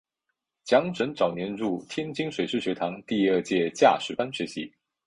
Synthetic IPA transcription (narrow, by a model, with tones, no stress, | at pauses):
t͡ɕjɑ˧˥ŋʈ͡ʂə˧˥nʈ͡ʂɑ˨˩ʊnjɛ˧˥nɻu˥˩t̪ʰjɛ˥nt͡ɕi˥ŋʂwe˨˩ɪʂɻ̩˥˩ɕɥɛ˧˥t̪ʰɑ˧˥ŋt̪i˥˧ə˥˧t͡ɕjɛ˥˧t͡ɕja̰˥˩ʂɻ̩˧˥pa˥nɕɥɛ˧˥ɕi˧˥